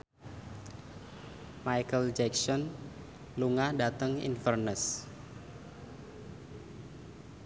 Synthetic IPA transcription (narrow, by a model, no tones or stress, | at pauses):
majkəld͡ʒɛksɔn | luŋadat̪əŋḭnfərnəs